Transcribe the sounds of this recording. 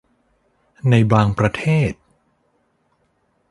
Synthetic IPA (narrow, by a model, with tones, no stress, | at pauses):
na˧jbaː˧ŋpɾa˧t̪ʰeː˥˩t̪̚